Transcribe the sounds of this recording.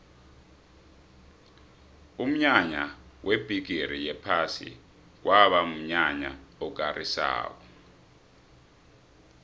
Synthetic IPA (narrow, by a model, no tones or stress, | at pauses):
um̩ɲaɲawʔeb̥ʱiɡ̥ʱiɾijɛpʰasḭ | k̬wʔaɓam̩ɲaɲaɔk̬arʔisa̰ːk̬ɔ